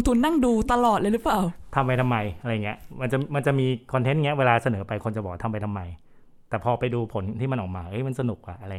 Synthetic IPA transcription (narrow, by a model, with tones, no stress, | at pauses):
ŋt̪ʰu˧nːa˥˩ŋduː˧t̪a˧lɔː˨˩t̪̚lɤ˧jlɯ˦˥paː˨˩wt̪ʰa˧mpa˧jt̪ʰa˧mːa˧jʔa˧ɾa˧jŋːɡi˦ɐma˧nt͡ɕa˨˩ma˧nt͡ɕa˨˩miː˧kʰɔː˧nt̪ʰe˦˥nŋi˦˥ɐ˧weː˧laː˧sa˧nɤː˩˦pa˧jkʰo˧nt͡ɕbɔː˨˩a˩t̪ʰmpa˧jt̪ʰa˧mːa˧j | t̪ɛː˨˩pʰɔː˧pa˧jduː˧pʰo˩˦nt̪ʰiː˥˩ma˧nʔɔː˨˩k̚maː˧ʔɤː˦˥˩jma˧nsa˧nu˨˩k̚ʔa˨˩ʔa˧ɾa˧